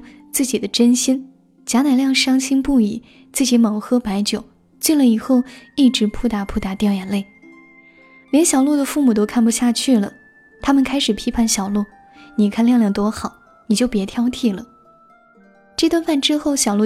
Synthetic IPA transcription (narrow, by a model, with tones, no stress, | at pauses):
t͡sɹ̩˥˩t͡ɕi˨˩d̪ə˦ʈ͡ʂə˥nɕi˥n | t͡ɕja˧˥na˨˩ɪljɑ˥˩ŋʂɑ˥ŋt͡ɕʰi˥ŋpu˥˩i˨˩˦ | t͡sɹ̩˥˩t͡ɕi˧˥mɤ˨˩ŋxɤ˥pa˧˥ɪt͡ɕjo˨˩ʊ | t͡ɕi˥˩nlə˩i˨˩xo˥˧ʊi˥˩ʈ͡ʂɻ̩˧˥pʰu˥t̪a˧˥pʰu˥˩t̪a˧˥t̪jɑ˥˩ʊja˨˩nle˥˩ɪ | ljɛ˧˥nɕjɑ˨˩ʊlu˥˩d̪ə˩fu˥˩mu˨˩t̪̬o˥ʊkʰa˥˩npu˧ɕja˥˧t͡ɕʰy˥˩lə˩ | t̪ʰa˥mə˨nkʰa˥ɪʂɻ̩˨˩pʰi˥pʰa˥˩nɕjɑ˨˩ʊlu˥˩ | ni˨˩kʰa˥˧nljɑ˥˧ŋljɑ˥˩ŋt̪wɔ˥xɑ˨˩˦ʊ | ni˨˩t͡ɕjo˥˩ʊpjɛ˧˥t̪ʰjɑ˥ʊt̪ʰi˥˩lə̰˩ | ʈ͡ʂɤ˥˩˧t̪wa˥˧nfa˥˩nʈ͡ʂɻ̩˥xo˥˩ʊɕjɑ˨˩ʊlu˥˩